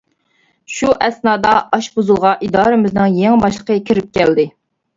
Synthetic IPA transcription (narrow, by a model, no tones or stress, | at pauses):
ʃuʔɛsnɑːd̪ɑɑʃbozulˠʁɑʔid̪ɑːɾɨmɪznɪŋjeŋbɑʃlˠəqʰəkʲʰiɾɪp̚kʲɛld̪ɪ